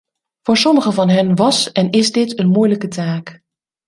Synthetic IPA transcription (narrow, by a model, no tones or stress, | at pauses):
v̥ʊːɹsɔməχəvɑnɦɵnʋɑsɛnɪzdɪtənmujləkətaːk